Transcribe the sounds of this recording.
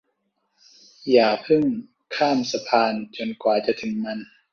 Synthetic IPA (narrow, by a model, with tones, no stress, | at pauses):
jaː˨˩pʰɯ˥˩ŋ | kʰaː˥˩msa˧pʰaː˧nt͡ɕo˧nkwaː˨˩t͡ɕa˨˩t̪ʰɯ˩˦ŋma˧n